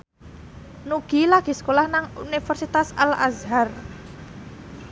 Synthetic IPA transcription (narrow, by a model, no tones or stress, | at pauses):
nuɡ̥ilaɡ̥i̤sə̥kolahnaŋunifərsit̪asala̰zɦar